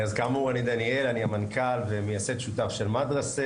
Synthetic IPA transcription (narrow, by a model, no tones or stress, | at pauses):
azkamauanid̪anie̞laniamankalvemejaset̪ʃutafʃelmad̪ʁase